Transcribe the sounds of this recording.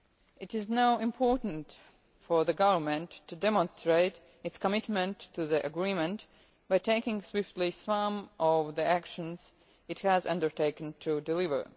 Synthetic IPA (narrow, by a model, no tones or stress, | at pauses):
ɨtɪznaʊɪ̃mpʰɔɹtn̩t | fɔ˞ðəɡʌvə˞mɨ̃ntʰːudɛmə̃nstɹeɪt | ɨtskəmɪtmə̃ntʰːuðiʔəɡɹĩmə̃nt | b̥aɪtʰeɪkɪ̃ŋswɪftˡlisʌ̃mʔɔvðiækʃə̃nz̥ | ɨthæzʌ̰̃ndə˞tʰeɪkntʰudɪlɪvə̰˞